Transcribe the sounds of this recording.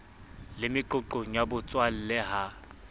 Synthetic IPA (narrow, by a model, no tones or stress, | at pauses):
lɪmɪǃʊǃoɲjabʊt͡sʼwal̩lɛɦa